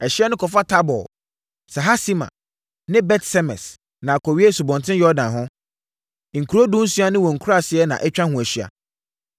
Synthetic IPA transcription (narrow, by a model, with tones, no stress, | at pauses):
ɛ˨ɕi˦ɛ˦nʊ̃˦kʰɔ˨fa˦tʰa˦bɔ̰˨ | sɛ˨ɦa˦si˦mã̰˨ | nɪ̃˦bɛ˦tsɛ˦mɛ̰̃˨s | nã˨kʰɔ˨ɥi˦ɛ˦su˨bɔ̃˨ntʰɪ̃˦jɔ˦dã˨nɦʊ̃˦˨ | ŋ̩˨kʰu˨ɾo˦dũ˦n̩˦su˦a˦nɪ̃˦wɔ̃˨ŋ̩˨kʰu˦ɾa˨sɪ˦ɛ˦nã̰˨ʔɛ˦t͡ɕᶣã˦hũ˨æ˨ɕɥa̰˨